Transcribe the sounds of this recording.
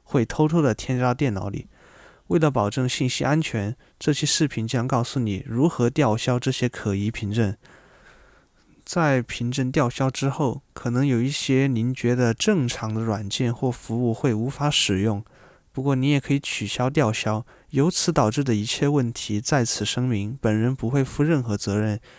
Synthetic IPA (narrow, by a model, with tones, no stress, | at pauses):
xwe˥˩ɪt̪ʰo˥ʊt̪ʰo˥ʊd̪ə˨˩t̪ʰjɛ˥nɑ˥˧ʊt̪jɛ˥˩nɑ̰˧˥ʊlḭ˨˩˦ | we˥˩ɪlə˩p̬ɑ˨˩ʊʈ͡ʂɤ˥˧ŋɕi˥˩nɕḭ˥ʔa˥nt͡ɕʰɥɛ˧˥n | ʈ͡ʂɤ˥˩ɕjɛ˥ʂɻ̩˥˩pʰi˧˥nt͡ɕjɑ˥ŋkɑ˥˩ʊsu˨˧˩ni˨˩ɻu˧˥xɤ˧˥t̪jɑ˥˩ʊɕjɑ˥ʊʈ͡ʂɤ˥˩ɕjɛ˥kʰɤ˨˩i˧˥pʰi˧˥ŋʈ͡ʂə˥˩n | t͡sa˥˩ɪpʰi˧˥ŋʈ͡ʂə˥˧nt̪̬jɑ˥˩ʊɕjɑ˥ʊʈ͡ʂɻ̩˥xo˥˩ʊkʰɤ˨˩nɤ˧˥ŋjo˨˩i˥˩ɕjɛ˥ni˧˥nt͡ɕɥɛ˧˥d̪ə˧ʈ͡ʂɤ˥˩ŋʈ͡ʂʰɑ˧˥ŋd̪ə˧ɻwa˨˩nt͡ɕjɛ˥˧nxwɔ˥˩fu˧˥u˥˧xwe˥˩ɪu˧˥fa˧˥ʂɻ̩˨˩jʊ˥˩ŋ | pu˧˥kwɔ˥˩ni˧˥jɛ˨˩kʰɤ˧˥i˧˥t͡ɕʰy˨˩ɕjɑ˥ʊt̪jɑ˥˩ʊɕjɑ˥ʊ | jo˧˥ʊt͡sʰɹ̩˧˥t̪ɑ˨˩ʊʈ͡ʂɻ̩˥˩d̪ə˩i˧˥t͡ɕʰjɛ˥˧wə˥˩nt̪ʰi˧˥t͡sa˥˩ɪt͡sʰɹ̩˨˩ʂɤ˥ŋmi˧˥npə˨˩nɻə˧˥npu˧˥xwe˥˩ɪfu˥ɻə˥˩nxɤ˧˥t͡sɤ˧˥ɻə˥˩n